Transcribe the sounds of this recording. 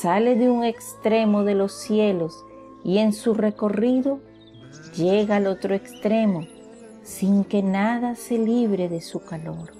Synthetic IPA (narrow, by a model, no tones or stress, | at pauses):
sale̞ðeuŋe̞kst̪ɾe̞mo̞ðe̞lo̞sje̞lo̞s | ie̞nsure̞ko̞riðo̞ | ʝeɣaːlo̞t̪ɾoe̞kst̪ɾe̞mo | siŋke̞naðase̞liβɾeðe̞sukalo̞ɾ